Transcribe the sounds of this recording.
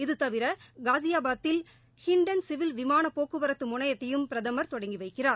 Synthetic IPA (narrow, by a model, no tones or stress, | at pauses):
ɪðɯt̪ɐʋɪɾɐɡaːsɪjaːbaːt̪ːɪl | hɪɳɖɐnsɪʋɪlʋɪmaːnɐpːoːkːɯʋɐɾɐt̪ːɯmʊɳɐjɐt̪ːɐjɯmpɪɾɐðɐmɐɾt̪ɔɽɐŋɡiʋɐɪkːɪraːɾ